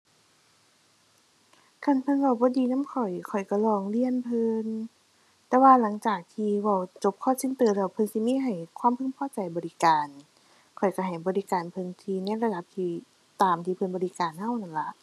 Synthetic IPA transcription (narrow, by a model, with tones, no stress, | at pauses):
kʰa˧˩˨npʰɤ˧˥˨nwaː˧˩wbɔː˧˦diː˨na˧˥˨mkʰɔ˨˩jkʰɔ˨˩jka˧˩lɔː˧˩ŋli˧˨ənpʰɤ˧n | t̪ɛː˧waː˧la˨˦ŋt͡ɕaː˨˩k̚t̪ʰiː˧wa˧˩wt͡ɕo˧p̚kʰɔː˧˥˨sʰi˧˥ŋt̪ɯː˧˩lɛ˧˩wpʰɤ˧nsi˧˦miː˧˥˨ɦa˨˩jkʰwaː˧˥˨mpʰɯ˧˥˨ŋpʰɔː˧˥˨t͡ɕa˨˩jbɔː˨li˧kaː˨˩n | kʰɔ˨˩jka˧˩ɦa˨˩jbɔː˨li˦˧kaː˨˩npʰɤ˧nt̪ʰiː˧na˧˥˨la˧da˧˦p̚t̪ʰiː˧ | t̪aː˨mt̪ʰiː˧pʰɤ˧nbɔː˨li˧kaː˨˩nha˧˩˨wna˧˩nla˧˦ʔ